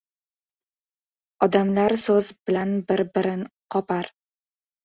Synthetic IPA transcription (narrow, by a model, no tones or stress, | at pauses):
ɒd̪amlaɾsɵzbɪlanbɪɾbɪɾɪnqʰɒpaɾ